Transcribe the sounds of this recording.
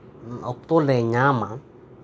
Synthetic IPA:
ok̚t̪oleɲãmã

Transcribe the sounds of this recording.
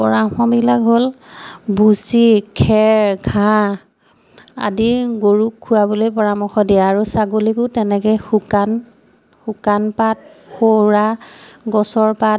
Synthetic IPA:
pɔɹaxɔbilakɦol | busikʰɛɹɡʱã | a̰diɡoɹukʰːuwabolojpɔɹamɔxɔdiaːɹusaɡolikʊtɛnɛkɛxukan | xukanpat̚ | xoɹaɡɔsɔɹpat

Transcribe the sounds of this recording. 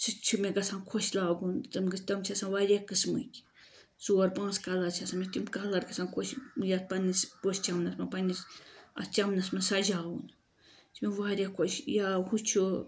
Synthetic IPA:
sɨt͡ʃʰɨmeɡasankʰoʃlaɡunt͡sɨmɡɨst̪amt͡ʃʰasanwaɾʲekɨsmɨ̰kʲ | zuaɾpãːskalat͡ʃʰasanmet̪imkalaɾɡasaŋkʰoʃjat̪̚panispost͡ʃamnasmapanisa̰st͡ʃamnasmasaʒawun | t͡ʃʰimewaɾʲekʰoʃjahut͡ʃʰu

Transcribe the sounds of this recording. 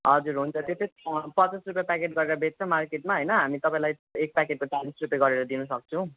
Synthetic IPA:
ɦʌd͡zuɾɦunt͡sʰʌt̪jopʰepʌt͡sasrupjapakeʈɡʌɾeɾʌbʱet̚t͡sʰʌ̃markeʈmaɦʌjnʌɦamit̪ʌpaĩlaj | ek̚pakeʈ̚kot͡salisrupjaɡʌɾeɾʌd̪inusʌk̚t͡sʰʌ̃w̃

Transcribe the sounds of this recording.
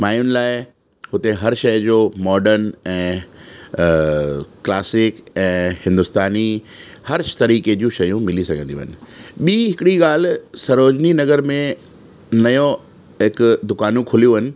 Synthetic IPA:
maːjʊnɪ̆laːɪ | hʊt̪eɦɐɾʃɐjd͡ʑoːmɔːɖəɾnɛ̃ː | klaːsɪkɛ̃ːhɪ̃nd̪ʊst̪aːni | hɐɾt̪ɐɾiːked͡ʑũʃɐjũmɪlisɐɡʱə̃nd̪iṵ̃ːɦənɪ̆ɓiːɦɪkɪɽiɠaːl̤sɐɾoːd͡ʑninɐɣəɾmẽ | nɐjõ | ɦɪkd̪ʊkaːnũkʰʊlijũɦɐnɪ̆

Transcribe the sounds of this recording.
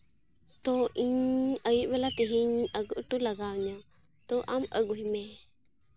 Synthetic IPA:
t̪oʔiɲəjibelat̪iɦiɲəɡuʔʈulaɡaɲa | t̪oʔaməɡuɦime

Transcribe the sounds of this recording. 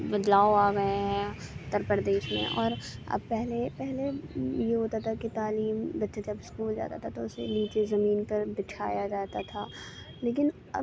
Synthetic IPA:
bɐd̪laːoaːɡɐeɦɛ̃t̪əɾpəɾd̪eːʃmḛ̃ʔɔ̰ːɾɐ̰b̚pɛɦlepɛɦlejeɦoːt̪at̪ʰakit̪aːliːmbɐtːʃed͡ʒɐbskuːld͡ʒa̰ːt̪at̪ʰat̪oʊsḛliːt͡ʃezɐmiːnpɐɾbɪt͡ʃʰa̰ːjad͡ʒaːt̪at̪ʰaː | leːk̬ɪn | ɐ̰

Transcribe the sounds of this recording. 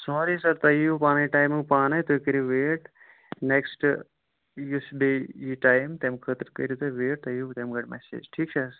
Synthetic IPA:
soːɾisɐɾt̪ɐjupaːnɐjiʈaːjmɨpaːnɐjt̪okiɾiʋeːʈ | neksʈ | jusbejiʈaːjmt̪emkʰət̪ɾkɐ̰ɾut̪oʋeːʈ̚t̪ɐjut̪emɡɐʈmɛ̰sḛːd͡ʒʈʰiːk̚t͡ʃʰɐ

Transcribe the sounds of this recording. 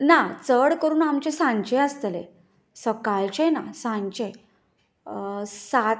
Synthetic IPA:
nat͡səɽkəɾuːnamt͡ɕesãɲt͡ɕẽəst̪əlḛ | səkalt͡ɕẽnasãɲt͡ɕe | sa

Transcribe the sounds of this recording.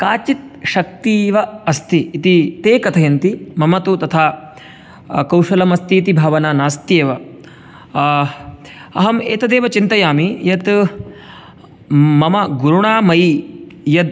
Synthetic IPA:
kaːt͡ʃit̪̚ʃɐk̚t̪iːʋɐɐst̪iːt̪it̪eːkɐt̪ʰɐjɐnt̪imɐmɐt̪ut̪ɐt̪ʰaː | kɐwʃɐlɐmɐst̪iːt̪ibʱaːʋɐnaːnaːst̪jeːʋɐ | ɐɦɐmeːt̪ɐd̪eːʋɐt͡ʃint̪ɐjaːmijɐt̪ | mɐmɐɡuɾuɳaːmɐjjɐd̪̚

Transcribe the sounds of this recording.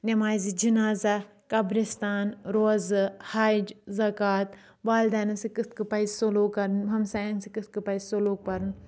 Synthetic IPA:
nemaːjzid͡ʒinaːza | kɐbɾist̪aːnɾoːzɨhaːd͡ʒzɐkaːt̪ | ʋaːld̪aːnɐsikɨt̪ʰkɨpɐizsoloːkːɐɾnbʱɐmsaːjnsikɨt̪̚kɨpɐizsoloːk̚pɐɾɨn

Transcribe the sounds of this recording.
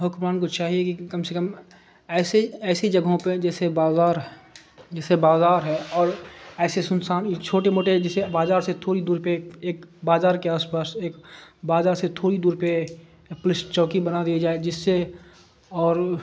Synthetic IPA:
ɦʊkɾaːnkot͡ʃaːɦiekikɐmsekəm | ɛːseɛːsed͡ʒɐɡʱɦõped͡ʒɛːsebaːzaːɾ | d͡ʒɛːsebaːzaːɾɦɛ̃ɔːɾɛːsesʊnsaːnt͡ʃʰoːʈemoːʈed͡ʒɪsebaːzaːɾset̪ʰoːɽid̪uːɾpekeːkbaːzaːɾkeaːspaːseːkbaːzaːɾset̪ʰoːɽid̪uːɾpe | pʊlɪst͡ʃɔːkibənad̪ijad͡ʒaːed͡ʒɪsːe | ɔːɾ

